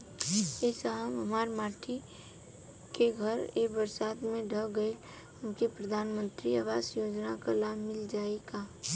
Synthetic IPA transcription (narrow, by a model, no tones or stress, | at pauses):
ɛːsamɦəmaːɾmaːʈʰi | keɡʱəɾeːbəɾsaːd̪mẽɖʱəɡəɪl | ɦəmkipɾəd̪ʱaːnmə̃nt̪ɾiaːʋaːsjoːd͡ʒnakalaːbʱmɪld͡ʒaːeɡa